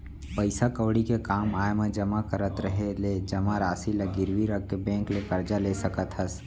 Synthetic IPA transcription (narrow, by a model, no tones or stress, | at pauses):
pəɪsakəwɽikekaːmaːjmẽd͡ʒɐmakəɾət̪ɾəɦeled͡ʒɐmaɾaːsilɐɡɪɾʋiɾəkːebɛ̃ːŋklekɐɾd͡ʒaleːsɐkət̪ɦəs